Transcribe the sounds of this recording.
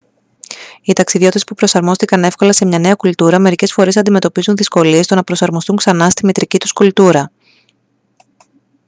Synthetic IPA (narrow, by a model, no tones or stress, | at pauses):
it̪ɐksiðio̞t̪it̪e̞spupɾo̞sɐɾmo̞st̪ikɐne̞fko̞lɐse̞mɲɐne̞ɐkult̪uɾɐme̞ɾice̞sfo̞ɾe̞s̬ɐnd̪ime̞t̪o̞pizunðisko̞lie̞st̪o̞nɐpɾo̞sɐɾmo̞st̪uŋksɐnɐst̪imit̪ɾicit̪uskult̪uɾɐ